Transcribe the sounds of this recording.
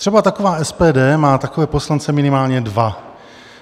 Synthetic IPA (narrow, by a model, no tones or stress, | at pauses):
t̪r̥ɛbat̪akovaːʔɛspɛːdɛːmaːt̪akovɛːposlant͡sɛmɪnɪmaːlɲɛdva